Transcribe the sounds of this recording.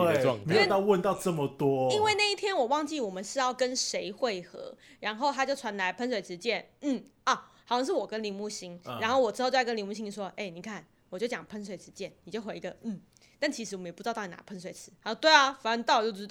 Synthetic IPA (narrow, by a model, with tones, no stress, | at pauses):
e˥˨˩me˧˥˨t̪ɑ˥˧ʊwə˥˧nt̪ɑ˥˧ʊʈ͡ʂə˥˩mə˨t̪wɔ˦˥i˥nwe˥˧ɪna˥˧i˥˩t̪ʰjɛ˥nwɔ˨˩wɑ˥˧ŋt͡ɕi˥˩wɔ˨˩mə˨˦nʂɻ̩˥˧jɑ˥˩ʊkə˦˥nʂe˧˥ɪxwe˥˩ɪxɤ̰˧˥˦ɻa˧˥nxo˥˩ʊt̪ʰa˥t͡ɕjo˥˩ʊt͡sʰwa˧˥nla˧˥ɪpʰə˧˥nswe˨˩ɪʈ͡ʂʰɻ̩˧˥t͡ɕjɛ˥˩nn̩˥˩ɐ˥˩xʰɑ˨˩ʊɕɑ˥˧ŋʂɻ̩˥˩wɔ˨˩kə˦nli˧˥ŋmu˥˩ɕi˥ŋa˧˥nxo˥˩ʊwɔ˨˩ʈ͡ʂɻ̩˥o˥˧jo˥˧˩kə˦li˧˥mu˥˩ɕĩ˥ŋni˥˩ʂwɔ˥ʔe˥˩ɪni˨˩kʰa˥˩n | wɔ˨t͡ɕjo˥˩ʊt͡ɕjɑ˨˩ŋpʰə˥ns̬we˨˩ɪʈ͡ʂɻ̩˧˥t͡ɕjɛ˥˩nni˨˩t͡ɕjo˥˩ʊxwe˧˥də˧n̩˥˩ | t̪a˥˩nt͡ɕʰi˧˥ʂ̬ɻ̩˧wɔ˨˩ə˦jpu˥˧˥t̪na̰˧˥pʰə˦˥ns̬we˨˩˦t͡sʰɹ̩˧˥˧o˥˧t̪we˥˩ɪɐ˩fa˨˥ə˧˥ŋt̪ɑ˥˩ʊ˨˩jo˥˧˩t̪